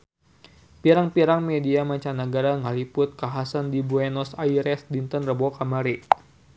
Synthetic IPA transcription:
piɾaŋpiɾaŋmediamaɲt͡ʃanaɡaɾaŋalipʊt̪̚kaɦasandibuɛnɔsaiɾɛsdint̪ənrəbɔkamaɾi

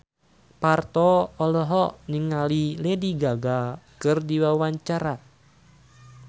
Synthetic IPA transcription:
part̪ɔɔlɔɦɔniŋalilediɡaɡakɨrdiwawaɲt͡ʃaɾat̪̚

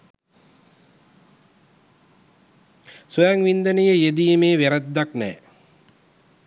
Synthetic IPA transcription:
sujaŋʋind̪ənəjəjed̪ijəmeːʋeɾəd̪ːaknɛ̰ː

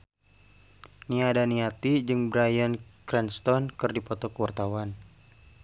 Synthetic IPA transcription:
niadaniat̪id͡ʒɨŋbɾajənkɾɛnst̪ɔnkɨrdipɔt̪ɔkəwart̪awan

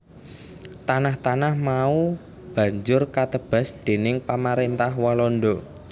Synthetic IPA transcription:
t̪anaht̪anahmau | b̥ä̤ɲd͡ʒʊrkat̪əb̥a̤sd̪̥e̤nɪŋpamaɾent̪ahwalɔnɖɔ

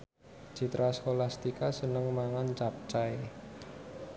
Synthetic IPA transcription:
d͡ʒ̥i̤t̪ɾaskolast̪ikasənəŋmaŋant͡ʃap̚t͡ʃae

